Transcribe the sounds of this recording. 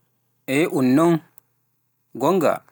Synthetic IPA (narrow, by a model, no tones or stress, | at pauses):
ʔɛʔunːɔŋ | ɡɔŋɡa̰